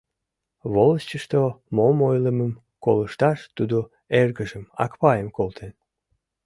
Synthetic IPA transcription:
βoləst͡ɕəʃt̪omomojləməm | koləʃt̪ɑʃt̪ud̪o | erɣəʒəmɑ̰kpɑjəmkolt̪ʰen

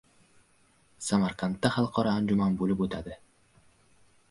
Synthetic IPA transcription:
samaɾqʰant̪ːaχɑlˠqʰɒɾɒːnd͡ʒʊmanbolɪpot̪ʰad̪ɪ

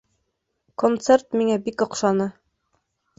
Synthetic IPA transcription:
kont̪sert̪miŋæbikŏqʃɑnɤ

